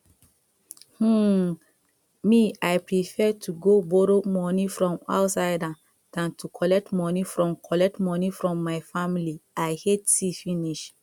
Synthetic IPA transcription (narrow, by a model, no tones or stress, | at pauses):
h̩ | miajpɹifɛtʰuɡoboɾomɔnifɹɔ̃ma̰ʊtsaɪda | d̥ãntʰukʰɔlɛk̚tmɔnifɹɔ̃mkʰɔlɛk̚tmɔnifɹɔ̃mːajfamiliajhetsifĩniʃ